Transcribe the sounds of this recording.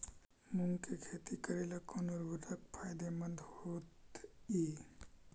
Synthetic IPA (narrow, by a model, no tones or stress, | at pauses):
muŋkekʰet̪ikɐɾelɐkonuɾbuɾɐk̚pʰaːjd̪emɐ̃nd̪hoːt̪i